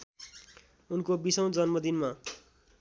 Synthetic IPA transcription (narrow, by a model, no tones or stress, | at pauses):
unkobisʌw̃d͡zʌnmʌd̪inma